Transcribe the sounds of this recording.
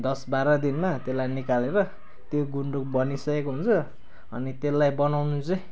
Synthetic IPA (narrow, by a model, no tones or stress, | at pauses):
d̪ʌsbaɾʌd̪inmat̪elːajnikaleɾʌ | t̪joɡuɳɖuk̚bʌnisʌkekoɦunt͡sʰʌ | ʌ̰nit̪elːajbʌnawnũt͡sʌ̃